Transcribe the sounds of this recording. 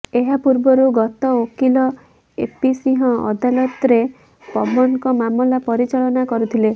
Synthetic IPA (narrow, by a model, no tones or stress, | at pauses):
eɦapuɾbɔɾuɡɔt̪ɔokilɔ | ḛpisiɦɔ̃ʔɔ̰d̪alɔt̪ɾe | pɔbɔnkɔmamlapɔɾit͡ʃaɭɔnakɔɾut̪ʰile